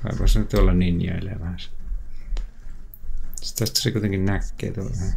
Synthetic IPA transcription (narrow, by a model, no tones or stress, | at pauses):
ʋɑ̰ikost̪æt̪ːyolːɑnninjo̰ḛlːḛjɑʋæhæs | si̥t̪ːæst̪ːæ̥sekuit̪eŋkinnækːḛːt̪uoʋæhæ